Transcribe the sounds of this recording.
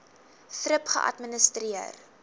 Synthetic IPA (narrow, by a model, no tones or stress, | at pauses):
θɾəpχə̰ʔɐ̰tmənəstriər